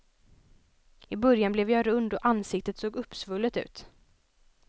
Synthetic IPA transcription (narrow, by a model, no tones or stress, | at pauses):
ɪbœɾjanblɛvjɑɾɵnd̪ɔʔansɪk̚t̪ət̪soːɡɵpːsvɵlːət̪ʉ̟ːt̪